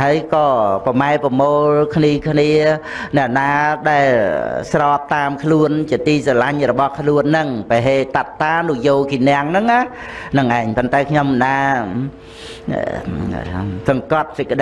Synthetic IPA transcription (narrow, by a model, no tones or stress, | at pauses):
haəjkɑːpɑmaɛpɑmoːlkʰniəkʰniə | nɛ̆əʔnaːɗaɛlsrɑːp̚t̪aːmkʰluənt͡ɕiət̪iːsalaɲrɔɓɑhkʰluənːɨŋpaɦeːt̪at̪ːaːnuəjoːkinɛ̆əŋnɨŋʔa | nɨŋʔaɛŋpont̪aɛkʰɲomːənaː | sɑŋkɑt̪̚sɨc̚kːəɗ